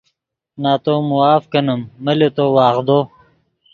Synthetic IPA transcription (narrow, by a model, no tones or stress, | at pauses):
naːt̪oːmuaːfkɐnɐmːɐlet̪oːwaːʁd̪oː